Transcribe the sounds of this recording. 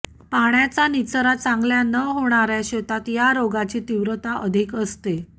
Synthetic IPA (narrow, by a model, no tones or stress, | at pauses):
paɳjat͡sanit͡səɾat͡sãŋɡljanəɦoɽ̃aɾjaɕət̪at̪jaɾoɡat͡ɕiːt̪iʋɾət̪aʔəd̪ʱikəst̪e